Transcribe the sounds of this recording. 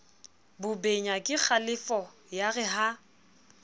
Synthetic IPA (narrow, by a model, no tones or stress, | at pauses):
bʊbeɲakʼɪk͡xʰalɪfɔ | jaɣɪɦa